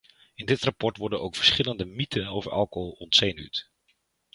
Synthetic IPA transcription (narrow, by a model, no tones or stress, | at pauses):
ɪndɪtrapɔɹtʋɔɹdənowkfə̥ɹsχɪləndəmitʰənowvəɹʔɑ̰lˠkoɦlˠɔntsejny̰t